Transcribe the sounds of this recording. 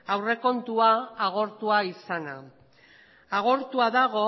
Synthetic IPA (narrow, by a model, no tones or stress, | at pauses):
awre̞ko̞nt̪uaːɣ̞o̞ɾt̪uaisana̰ | aɣ̞o̞ɾt̪uaðaɣo̞